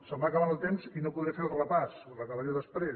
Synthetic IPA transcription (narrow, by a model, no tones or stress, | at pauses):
səmbakəβanəlˠt̪emzinopuðɾefeɾəlˠrəpasurəkəβəɾewðəspɾe